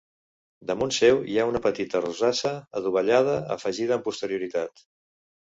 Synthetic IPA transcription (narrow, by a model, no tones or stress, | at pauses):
d̪əmunsɛwiaunəpət̪it̪əruzasəːðuβ̞əʎað̞əə̰fəʒið̞əmpust̪əɾiuɾit̪at̪